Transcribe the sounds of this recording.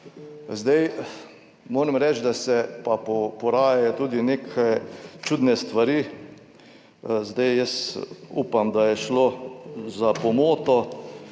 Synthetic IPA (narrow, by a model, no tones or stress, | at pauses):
zd̪aj | moːɾɛmɾɛt͡ʃd̪asɛpapɔpɔɾaːjajɔt̪uːd̪ineːkʰajt͡ʃuːd̪nɛst̪ʋaɾi | zd̪ajjəsuːpamd̪ajɛʃlozapɔmoːt̪ɔ